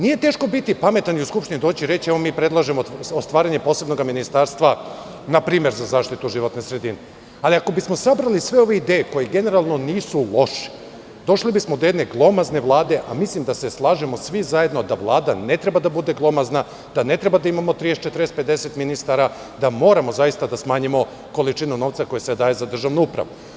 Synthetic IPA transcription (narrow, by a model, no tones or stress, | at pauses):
nije̞t̪eːʃko̞bit̪ipame̞t̪aniuskupʃt̪inid̪o̞ːt͡ɕiɾe̞t͡ɕiɛʋo̞miːpɾe̞d̪lˠaʒemoost̪ʋaːɾaɲe̞po̞ːse̞bno̞ɡaminist̪aːɾst̪ʋa | napɾiːmje̞ɾzazaːʃt̪it̪uʒiʋo̞t̪nesɾe̞d̪ine | aliako̞bismo̞sabɾalisʋeo̞ʋeid̪eːjeko̞jeɡe̞ne̞ɾalˠno̞niːsulˠo̞ʃi̥ | d̪o̞ʃlibismod̪oje̞d̪ne̞ɡlˠo̞mazne̞ʋlˠaːd̪e̞ʔamislimd̪ase̞slˠaːʒemo̞sʋizaje̞d̪nod̪aʋlˠaːd̪ane̞t̪ɾe̞bad̪abud̪e̞ɡlˠo̞mazna | d̪̥ane̞t̪ɾebad̪aimamo̞t̪ɾijet͡ʃet̪ɾest̪̚ped̪e̞se̞t̪minist̪aɾa | d̪amo̞ːɾamo̞zajist̪ad̪asmaːɲimo̞ | ko̞lit͡ʃinuno̞ʋt̪sako̞jesed̪aːje̞zad̪r̩ʒaʋnuupɾa̰ʋu